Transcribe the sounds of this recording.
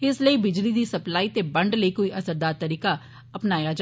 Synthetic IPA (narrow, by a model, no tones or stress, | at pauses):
ɪsləiːbɪd͡ʒliːd̪iːsəplaːiːt̪eːbəɳɖləiːkoːiːʔəsəɾd̪aːɾt̪əɾiːkaː | əpnaːjaːd͡ʒ